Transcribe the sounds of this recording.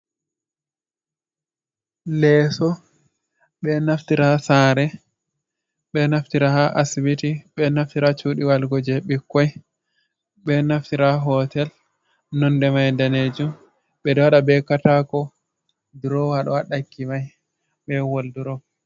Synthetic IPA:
lɛsɔ | ɓɛnaftiɾasaːɾɛ | ɓɛnaftiɾahaʔasibitiɓɛnaftiɾat͡ʃuːɗiwalɡɔd͡ʒɛɓikːɔj | ɓɛnaftiɾaɦɔtɛl | nɔndɛmajndaned͡ʒum | ɓɛdɔwaɗabɛkatakɔ | duɾɔwaɗɔwaɗakːimaj | ɓɛwolduɾɔ

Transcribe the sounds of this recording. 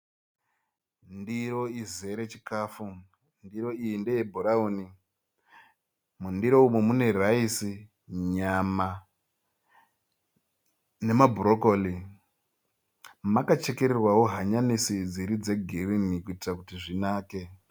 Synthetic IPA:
ndiɾo̞ize̞ɾe̞t͡ʃikaːfu | ndiɾo̞iindejebʱoɾauːni | mundiɾo̞umemune̞raisi | ɲama | ne̞mabʱuɾoko̞li | makat͡ʃe̞ke̞ɾerwawo̞ɦaɲanisid͡ziɾid͡ze̞ɡʱirinikuitirakutiʐinaːke̞

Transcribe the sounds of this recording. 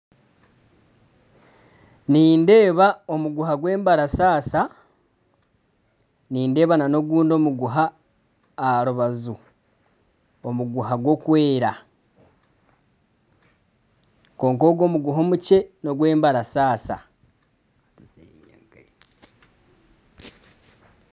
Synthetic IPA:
niːnde̞ːβao̞muɡuɦaɡwe̞ːmbaɾasaːsa | niːnde̞ːβanano̞ɡuːndo̞ːmuɡuɦaː | ɾuβazu | omuɡuɦaɡwo̞kwe̞ːɾa | ko̞ːŋko̞ɡo̞ːmuɡuɦo̞muce̞no̞ɡwe̞ːmbaɾasaːsa̰

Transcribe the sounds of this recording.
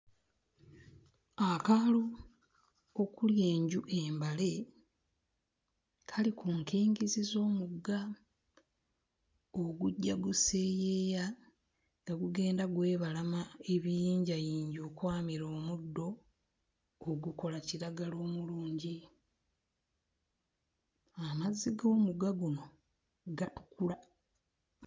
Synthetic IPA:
akalo | okuljeːɲɟuʔe̞ːmbale̞ | kʰalikuŋkiːŋɡizizo̞ːmuɡːa | oɡuɟːaɡuseːjeːja | ŋɡaɡuɡe̞ːndaɡwe̞ːβalamaeβijiːɲɟajiːɲɟo̞ːkwaːmiɾo̞ːmudːo̞ | ɡuko̞laciɾaɡalo̞ːmuluːɲɟi | amazːiɡo̞ːmuɡaɡuno̞ | ɡatu̥kula

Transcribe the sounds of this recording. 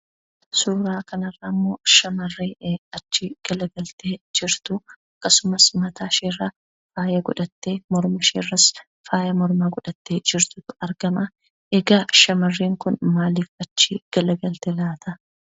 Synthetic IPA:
suːɾaːkɐnɐrːɐmːo̞ːʃɐmɐrːeːɐt͡ʃːɪɡ̥ɐlɐɡɐlt̪eːd͡ʒɪɾt̪ʊɐkːɐsʊmɐsmɐt̪aːʃeːrːɐ | faːjɐɡʊ̰ᶑɐt̪ːeːmɔɾmɐʃḛːrːɐs | faːjɐmɔɾmaɡʊᶑɐt̪ːeːd͡ʒɪɾt̪ʊt̪ʊɐɾɡɐmɐ | ʔɛɡaːʃɐmɐrːeːŋkʊnmaːliːfɐt͡ʃːɪɡ̥ɐlɐɡɐlt̪ɛlaːt̪ɐ

